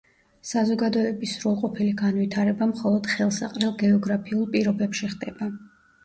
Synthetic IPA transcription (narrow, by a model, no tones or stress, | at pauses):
sazɔɡad̪ɔɛbisɾulˠqʼɔpʰiliɡanvit̪ʰaɾɛbamχɔlˠɔd̪̥χɛlˠsa̰qʼɾɛlˠɡɛɔɡɾapʰiulˠpʼiɾɔbɛpʃiχd̪ɛba